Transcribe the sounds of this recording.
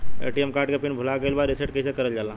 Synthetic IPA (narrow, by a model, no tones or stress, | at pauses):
ḛːʈiemkaːɾʈkepɪnbʱʊlakelbaːɾɪseʈ̚kɐisekɐɾəld͡ʒaːlã